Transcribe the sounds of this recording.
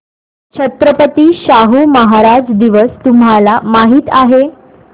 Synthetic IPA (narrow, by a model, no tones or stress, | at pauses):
t͡ɕʰət̪ɾəpət̪iːɕaɦuːməɦaɾad͡zd̪iʋəst̪umɦalamaɦiːt̪aɦe